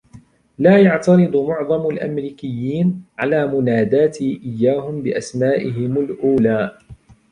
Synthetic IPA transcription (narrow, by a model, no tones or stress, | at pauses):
laːjɑʕt̪ɑɾɨd̪ˤmʊʕðˤɑmalʔa̰mɾiːkɪjːiːnʕalaːmʊnaːd̪aːt̪iʔɪjːaːhʊmbɪʔasmaːʔɪɦɪmalʔuːlaː